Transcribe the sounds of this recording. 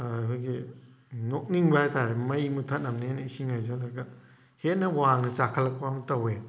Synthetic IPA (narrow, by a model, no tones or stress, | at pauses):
akʰojɡi | nok̚niŋbajtaɾemɐjmutʰɐt̚nɐmnenɐisiŋajzalɐɡɐ | het̚nɐwaŋnɐt͡ʃakʰɐlːɐk̚pamtɐwe